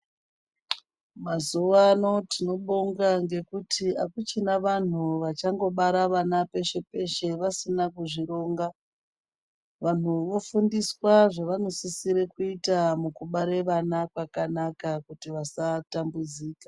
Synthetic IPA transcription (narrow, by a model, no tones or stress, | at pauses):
mazuʋano̞tino̞ɓoŋɡaŋɡe̞kutʰiakut͡ʃinaʋan̤uʋat͡ʃaŋɡo̞ɓaɾaʋanape̞ʃe̞pe̞ʃe̞ʋasinakuʐiɾo̞ːŋɡa | ʋan̤uʋo̞fundiswaʐaʋano̞sisiɾekuitamukuɓaɾeʋanakwakanakakutiʋasatambud͡ziːkḁ